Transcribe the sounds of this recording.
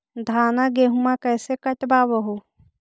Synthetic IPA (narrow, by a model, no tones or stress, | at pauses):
d̪ʱaːnaɡeːɦumãkɛːsekɐʈbaːbəɦo